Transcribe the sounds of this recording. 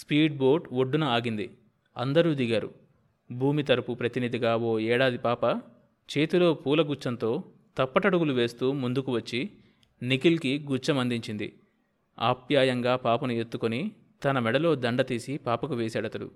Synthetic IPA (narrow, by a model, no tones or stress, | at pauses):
spiːɖ̚bo̞ːɾɖoɖːunɐaːɡind̪ḭ | ɐ̰nd̪ɐɾuːd̪iɡaːɾṵ | bʱuːmit̪ɐɾɐpupɾɐt̪inid̪iɡaːo̞ːɛːɽaːd̪ipaːpɐ | t͡ʃe̞ːt̪ulo̞ːpuːlɐɡut͡ʃːɐnt̪o̞ː | t̪ɐpːɐʈɐɽuɡuluʋe̞ːst̪uːmund̪ukuʋɐt͡ʃːi | nikilkiɡut͡ʃːɐmɐnd̪iɲt͡ʃind̪ḭ | a̰ːpjaːjɐŋɡaːpaːpɐnue̞t̪ːukoni | t̪ɐnɐmɛɽɐlo̞ːd̪ɐɳɖɐt̪iːsipaːpɐkuʋeːsaːɽɐt̪ɐɽṵ